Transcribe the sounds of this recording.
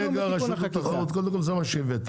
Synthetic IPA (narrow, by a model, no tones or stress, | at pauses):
eɡaʁaʃut̪t̪aχaʁut̪kodemkolzemaʃevet̪